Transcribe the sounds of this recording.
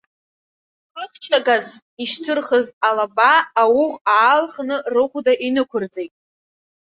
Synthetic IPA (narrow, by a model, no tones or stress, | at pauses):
ɨχt͡ʃʰaɡaz | iʃtʰɨrχəzalabaːwʊʁaːlχnɨrɨχʷdaʔinɨkʷʰʊrd͡zejtʼ